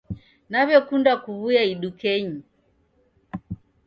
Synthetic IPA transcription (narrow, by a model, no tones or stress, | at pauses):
naβjɔkundakuβujaiɗukɛɲi